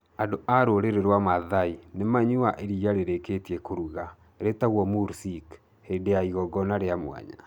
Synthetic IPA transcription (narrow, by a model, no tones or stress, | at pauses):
andoʔaɾoɾeɾeɾwamaðainemaɲuaʔeɾijaɾeɾeketiekoɾuɣa | ɾetaɣwɔmuɾsik | hedejaiɣɔɡɔnaɾeamwa̰ɲa̰